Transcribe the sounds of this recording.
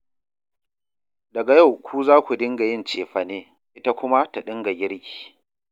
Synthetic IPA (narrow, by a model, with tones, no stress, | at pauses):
dɐ˨ɡa˨ja˦˨wkʷʰuː˦zaː˦kʷu˨dɪ˦ŋɡa˨jɪ˦˨nt͡ʃeː˨ɸɐ˨neː˦ | ʔɪ˦ta˦kʷʊ˦ma˦ta˨ɗɪ˦ŋɡa˨ɡʲɪ˦ɽkʲi̥ː˨